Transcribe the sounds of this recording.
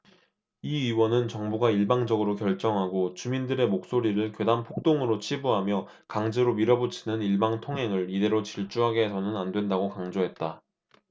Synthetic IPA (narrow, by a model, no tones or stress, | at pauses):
iiwʌnɯnt͡ɕʌŋbuɡaiɭbaŋd͡ʑʌɡɯɾokjʌɭt͡ɕ͈ʌŋɦaɡot͡ɕumindɯɾe̞mok̚s͈oɾiɾɯɭkwedampʰok̚t͈oŋɯɾot͡ɕʰibuɦamjʌ | kaŋd͡ʑeɾomiɾʌbot͡ɕʰinɯniɭbaŋtʰoŋɦe̞ŋɯɭide̞ɾot͡ɕiɭt͡ɕ͈uɦaɡe̞sʰʌnɯnandwe̞ndaɡokaŋd͡ʑoɦe̞t̚t͈a